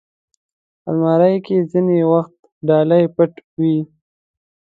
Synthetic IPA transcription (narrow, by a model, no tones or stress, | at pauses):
a̰lmɑɾajkezinewaxt̪ | ɖɑlajpəʈwi